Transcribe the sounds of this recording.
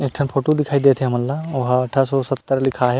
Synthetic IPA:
eːk̚ʈʰənpʰoːʈod̪ɪkʰaːid̪eːt̪ʰeɦɐməlːaʊɦaɐʈʰasɔsɐt̪ːəɾlɪkʰaɦɛ

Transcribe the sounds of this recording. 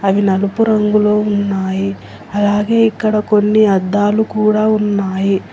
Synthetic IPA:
ɐʋinɐlupuɾɐŋɡulo̞ːunːaːji | ɐlaːɡe̞ːikːɐɽɐko̞nːiɐd̪ːaːlukuːɽaːunːaːji

